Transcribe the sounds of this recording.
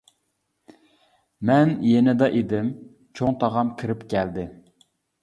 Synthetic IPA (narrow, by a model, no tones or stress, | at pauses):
mɛnjɛnɪd̪ɑʔed̪ɪm | t͡ʃʰoŋt̪ʰɑʁɑmkʲʰiɾɪpkʲɛld̪ɪ